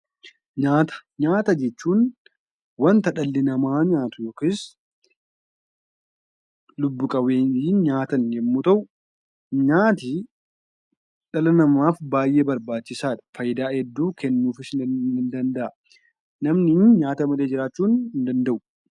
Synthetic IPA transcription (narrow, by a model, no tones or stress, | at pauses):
ɲaːt̪ɐ̥ɲaːt̪ɐd͡ʒɛt͡ʃːuːn | wɐnt̪ɐᶑɐlːɪnɐmaːɲaːt̪ʊjoːkɪːs | lʊbːʊkʼɐweːniːnɲaːt̪ɐnjɛmːuːt̪ɐʔʊ | ɲaːt̪ɪ | ᶑɐlɐnɐmaːfbaːjʔeːbɐɾbaːt͡ʃːɪsaːᶑ̪ɐ̥fɐjɪd̪aːhɛd̪ːuːkɛnːuːfɪsɪnɪnd̪ɐnd̪ɐʔɐ | nɐmnɪnɲaːt̪ɐmɐleːd͡ʒɪɾaːt͡ʃːuːnɪnd̪ɐnd̪ɐʔʊ̥